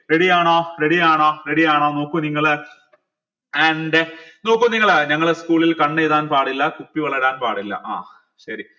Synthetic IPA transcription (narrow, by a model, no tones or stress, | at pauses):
ɾeɽijaːɳoːɾeɽijaːɳoːɾe̞ɽijaːɳoːno̞ːkːuniŋːɐɭ | ɐɳɖɨno̞ːkːumniŋːɐɭɲɐŋːɐɭeskuːɭilkɐɳːejðaːnpaːɽilːɐkupːiʋɐɭɐɾaːnpaːɽilːɐ̰ʔa̰ː | ɕɐɾi